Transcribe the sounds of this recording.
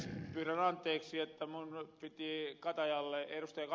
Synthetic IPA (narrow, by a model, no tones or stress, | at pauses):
pyːrænɑnt̪ːˑeːksiet̪ːæmunpit̪ikɑt̪ɑjɑlːeerust̪ɑjɑk